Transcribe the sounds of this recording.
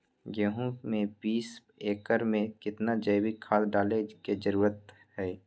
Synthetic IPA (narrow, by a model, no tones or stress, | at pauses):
ɡeɦũmẽpiːs | eːkəɾmẽkɪt̪nad͡ʒəjbikʰaːlɖaːleked͡ʒəɾuːɾət̪ | hɛː